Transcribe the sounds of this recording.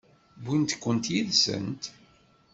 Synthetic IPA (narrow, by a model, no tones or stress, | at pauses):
bint̪kʷːənt̪jiðsə̰nt̪